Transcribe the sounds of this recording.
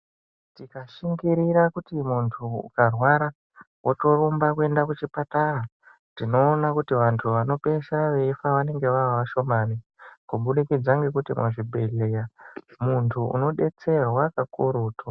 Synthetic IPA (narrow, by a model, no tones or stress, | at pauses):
tikaʃiŋɡiɾiɾakutimuntʰuṵkarwaɾa | wʔoto̞rumbakue̞ndakut͡ʃipatara | tino̞ːnakutiʋantʰuʋano̞pe̞ʃaʋe̞ifaʋane̞ŋɡe̞ʋaaʋaʃo̞maːnikuɓuɗikid͡zaŋɡe̞kutimwa̰ʐibʱe̞lejamuntʰuṵno̞ɗe̞t͡se̞rwakakuɾuːtʰo